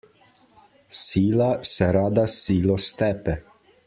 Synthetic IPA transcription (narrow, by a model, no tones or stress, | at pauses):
siːlasɛɾad̪asiːlɔst̪ɛpɛ